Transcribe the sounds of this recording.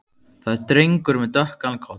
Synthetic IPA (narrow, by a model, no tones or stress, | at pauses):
θaðɛɾt̪ɾejŋkʏɾmɛðt̪œhkalkʰɔwt̪n